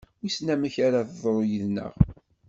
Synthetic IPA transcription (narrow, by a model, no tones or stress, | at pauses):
isnæməçaɾaθðˤɾˤojəðnə̰ʁ